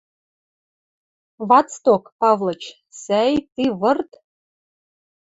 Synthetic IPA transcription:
vɑtt͡st̪okpɑvlˠɤ̆t͡ɕ | sæjt̪iβɤ̆rt̪

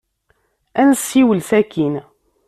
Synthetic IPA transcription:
ænəsːiwəlθækʰin

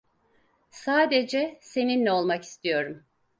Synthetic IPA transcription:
saːd̪ed͡ʒɛse̞ninːɛo̞lˠmaki̥st̪ʰijo̞ɾum

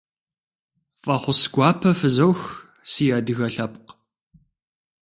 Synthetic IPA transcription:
fʼɐχʷʊsɡʷɑːpʰɐfɨzɐwx | siːjaːdɨɣɐɬɐp̚q

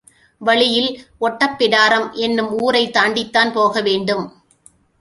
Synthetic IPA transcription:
ʋɐɭɪjɪlɔʈːɐpːɪɽaːɾɐmʔɛnːɯmuːɾɐɪt̪ːaːɳɖɪt̪ːaːnpoːɣɐʋeːɳɖɯm

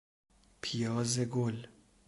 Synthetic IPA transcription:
pʰijɒːzeɡol

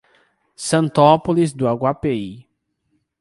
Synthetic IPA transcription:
sɐ̃nt̪ɔpolizd̪ʊaɡwapei

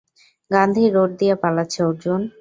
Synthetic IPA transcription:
ɡand̪ʱiɾoʈ̚d̪ijapalaːt͡ɕʰeoɾd͡ʑon

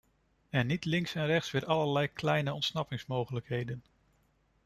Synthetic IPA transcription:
ɛnːitlɪŋksɛnrɛχtsʋɪːɹɑləɹlɛjklɛjnəɔntsnɑpɪŋsmowχələkɦejdən

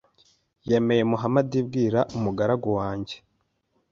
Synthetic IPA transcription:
jeme̞jemuɦamadibɡiːɾaʔumuɡaɾaɡowaːɲɟe̞̥

